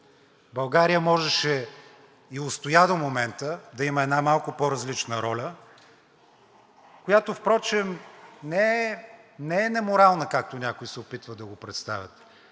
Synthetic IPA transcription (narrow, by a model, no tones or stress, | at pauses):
bɐlˠɡaɾijəmɔʒɛʃɛ | iʊst̪ʊjad̪əmomɛnt̪əd̪ɐiməɛd̪namalˠkʊpoɾɐzlit͡ʃnəɾɔlʲə | kojat̪ofpɾɔt͡ʃɛmnɛɛnɛɛnɛmʊɾalˠnəkak̚t̪onʲakʊisɛʊpit̪vəd̪ɐɡopɾɛt̪st̪avʲət̪